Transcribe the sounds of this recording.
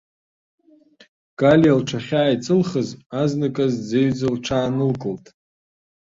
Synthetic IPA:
kʼaljalʈ͡ʂʰaχʲaːjt͡sʼɨlχəzaznakʼazd͡zeɥd͡zalʈ͡ʂʰaːnɨlkʼɨltʼ

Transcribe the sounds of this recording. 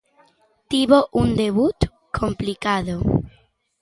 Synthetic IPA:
t̪iβoʔund̪eβut̪ | kʰomplikaðo

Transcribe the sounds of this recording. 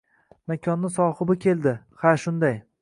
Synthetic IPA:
makʲʰɒnːɪsɒhɨbɪkʲʰe̞lˠd̪ɪ | haʃʊnd̪aj

